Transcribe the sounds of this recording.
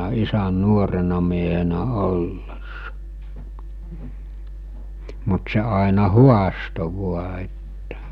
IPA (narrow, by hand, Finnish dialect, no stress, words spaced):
isæn̆ nuorenɑ miehenæ olːesːɑ mut se ɑˑenɑ huɑsto ʋuɑ etːæ